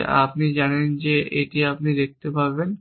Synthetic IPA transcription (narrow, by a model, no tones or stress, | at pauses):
a̰pnid͡ʑanend͡ʑeʔeʈiapnid̪ek̚t̪epaɾben